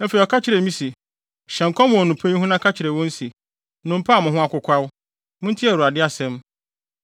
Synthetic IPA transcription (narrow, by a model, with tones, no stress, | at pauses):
ɛ˦fe˨i˨ɔ˨kʰa˦t͡ɕʰɪ˨ɾe˨mĩ˦si˨ | ɕɛ̃˨ŋ˨kʰʷɔ̃˦mʊ̃˨ɔ˨nʊ̃˨pʰẽ˦ĩ˦ɦʊ̃˦nã˦kʰa˦t͡ɕʰɪ˨ɾe˨wɔ̃˦n̩˦si˨ | nʊ̃˨m̩˦pʰa˦˨mʊ̃˨ɦʊ̃˦a˦kʊ˦kʷʰa˦w | mʊ̃˦n̩˦tʰi˦ɛ˨ɾu˨a˨dɪ˦a˨sɛ̃˦m